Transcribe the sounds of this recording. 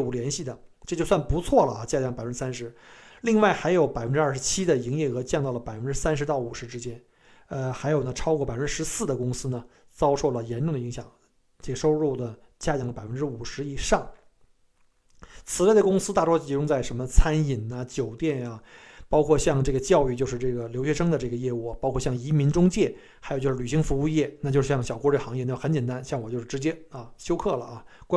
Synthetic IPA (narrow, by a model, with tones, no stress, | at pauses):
u˨˩ljɛ˧˥nɕi˥˩d̪ə˩ʈ͡ʂɤ˥˧t͡ɕjo˥˧swa˥˩npu˧˥t͡sʰwɔ˥˩lə˩a̰˧˩t͡ɕja˥˩t͡ɕjɑ˥ŋpa˨˩fə˥ʈ͡ʂ̩˥sa˥nʂɻ̩˧˥li˥˧ŋwa˥˩ɪxa˧˥ɪjo˨˧˥ʊpa˨˩ɪfə˦nʈ͡ʂɻ̩˥˩ʂɻ̩˧˥t͡ɕʰi˥d̪ə˨i˧˥ŋjɛ˥˩ɤ˧˥t͡ɕjŋt̪ɑ˥˩lə˩pa˨˩ɪfə˥nʈ͡ʂɻ̩˥sa˥nʂ̬ɻ̩˧˥t̪ɑ˥˩ʊu˨˩ʂɻ̩˧˥ʈ͡ʂɻ̩˥t͡ɕjɛ˥n | ə˧xa˧˥ɪjo˨˩ʊnə˦ʈ͡ʂʰɑ˥kwɔ˥˩pa˨˩ə˥ʈ͡ʂɻ̩˥ʂ̩˧˥sɹ̩˥˩d̪ə˩kʊ˥ŋsɹ̩˥nə˨ | t͡sɑ˥ʊʂo˥˩ʊlə˩jɛ˧˥nʈ͡ʂʊ˥˩ŋd̪ə˩i˧˥ŋɕjɑ̰˨˩˦ŋ | ʈ͡ʂɤ˥˩ɡə˩ʂo˥ʊɻu˥˩d̪ə˩ | t͡ɕja˥˩t͡ɕjɑ˧˩ŋ˩pa˨˩ɪfə˥nʈ͡ʂɻ̩˥u˨˩ʂɻ̩˧˥i˨˩ʂɑ˥˩ŋ | t͡sʰɹ̩˨˩wa˥˩ɪd̪ə˩kʊ˥ŋsɹ̩˥t̪a˥˩ʈ͡ʂɔ˥˩t͡ɕi˧˥ʈ͡ʂʊ˥ŋt͡sa˥˩ɪʂə˧˥nmə˧t͡sʰa˥ni˨˩nə˧t͡ɕjo˨˩ʊt̪jɛ˥˩na˩pɑ˥ʊkʰwɔ˥˧ɕjɑ˥˧ŋʈ͡ʂɤ˥˩ɡə˩t͡ɕjɑ˥˧ʊy˥˧t͡ɕjo˥˧ʊʂɻ̩˧ʈ͡ʂɤ˥˩ɡə˩ljo˧˥ʊɕɥɛ˧˥ʂɤ˥ŋd̪ə˨ʈ͡ʂɤ˥˩ɡə˩jɛ˥˧u˥˩pɑ˥ʊkʰwɔ˥˧ɕjɑ˥˩ŋi˧˥mi˧˥nʈ͡ʂʊ˥ŋt͡ɕjɛ˥˩ | xa˧˥jt͡ɕjo˥˧ɻ̩˥˩y˨˩ɕi˧˥ŋfu˧˥u˥˧jɛ˥˩na˥˩t͡ɕo˥˧ʂɻ̩˥˩ɕjɑ˥˩ŋ˩ɕjɑ˨˩ʊkwɔ˥ʈ͡ʂə˥˩xɑ˧˥ŋjɛ˥˧na˥˩˥xə˧˥nt͡ɕjɛ˨˩nt̪a˥nɕjŋwɔ˨˩t͡ɕo˥˧ʊʂɻ̩˥˩ʈ͡ʂɻt͡ɕjɛ˥a˥˧ɕjo˥ʊkʰɤ˥˩lə̰˩a˧˩k